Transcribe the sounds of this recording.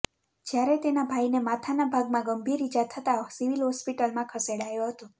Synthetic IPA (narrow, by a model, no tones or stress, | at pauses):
d͡ʒjaɾɛt̪enabʱainemat̪ʰanabʱaɡmãɡəmbʱiɾid͡ʒat̪ʰət̪asiʋilɦɔspiʈəlmãkʰəseɽajoɦət̪o